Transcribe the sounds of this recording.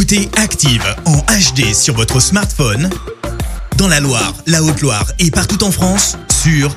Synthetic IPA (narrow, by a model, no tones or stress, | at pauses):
ut̪eakt̪ivɑ̃aʃd̪esyʁvɔt̪χəsmaʁt̪fɔn | d̪ɑ̃lalwaʁlaot̪lwa̰ʁepaʁt̪ut̪ɑ̃fχɑ̃sːyʁ